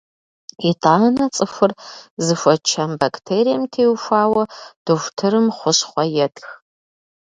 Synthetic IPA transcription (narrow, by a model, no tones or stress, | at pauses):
itʼaːnɐt͡sʼɨfɨrzɨfʷɐt͡ʃʰɐmbakʰtʰeːɾijɐmtʰeːwʃʷaːwɐd̥oxʷtʰɨɾɨmχʷʊɕχʷɔjɛtʰʼx